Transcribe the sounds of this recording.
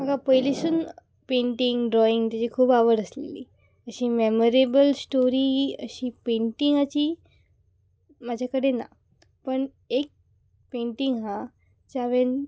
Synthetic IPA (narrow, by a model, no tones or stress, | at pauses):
makapəjleɕuːn | pẽɳʈiŋɡɖɾɔiŋɡt̪jat͡ɕikʰuːbaʋəɽəslḛlḭ | əɕiːmemoɾebəlsʈoɾiːə̰ɕiːpẽɳʈiŋɡat͡ɕiː | mad͡ʑʱakəɽena̰ | pəɳ | ek̚ | peɳʈiŋɡɦã | t͡ɕaʋen